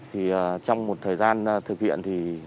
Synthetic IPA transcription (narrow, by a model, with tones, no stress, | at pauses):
t̪ʰi˨˩əː˨˩t͡ɕɔ˧wŋ͡mmo˨˩t̚t̪ʰəː˨˩jzaː˧nː˨t̪ʰɨ˨˩k̚hḭ˧˨ənt̪ʰi˨˩